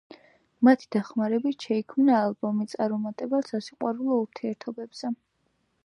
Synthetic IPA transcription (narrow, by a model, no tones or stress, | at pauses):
mat̪ʰi̥d̪̥aχmaɾɛbit̪ʃɛikʰmnaːlˠbɔmit̪sʼaɾɔmat̪ʼɛbasasiqʼwaɾulˠɔuɾt̪ʰiɛɾt̪ʰɔbɛbz̥ɛ